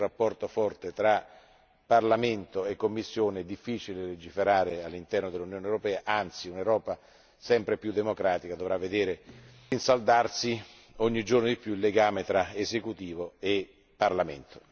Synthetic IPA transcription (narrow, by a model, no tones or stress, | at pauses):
rapːɔrt̪ofɔrt̪et̪ɾa | parlament̪oekːomːisːjoːned̪ifːit͡ʃileled͡ʒifeɾaːɾealːint̪ɛrnod̪elunjoːnewɾopɛːaʔant̪siunewɾɔːpa | sɛmpɾepjud̪ːemokɾaːt̪ikad̪ovɾavːed̪eːɾe | insald̪arsi | ɔɲːid͡ʒornod̪ipːjuilːeɡaːmet̪ɾaezekut̪iːvoe | pːarlament̪ʰo̥